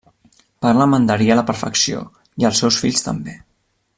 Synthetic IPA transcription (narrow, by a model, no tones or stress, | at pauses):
paɾləmənd̪əɾiələpəɾfə̰ksio̰ | iəlˠsɛwsfiʎst̪ə̰mbe